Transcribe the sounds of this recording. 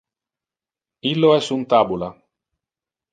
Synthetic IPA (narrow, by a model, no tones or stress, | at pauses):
ilːoɛsunt̪aːbula